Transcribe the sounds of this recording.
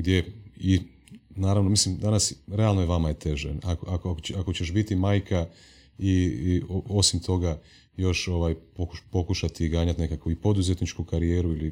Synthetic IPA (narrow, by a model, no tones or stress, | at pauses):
ɡd̪je̞i | naːɾaʋno̞mislimd̪anasɾe̞alnojeʋamajet̪e̞ʒenakoakoakot͡ɕakot͡ɕeʃbit̪imaːjkʰa | ioo̞simt̪ʰo̞ɡa | jo̞ʃo̞ʋaːjpokupo̞kuʃat̪iɡaːɲat̪ne̞kakʋuipo̞d̪uzet̪nit͡ʃkukaɾijeːɾuili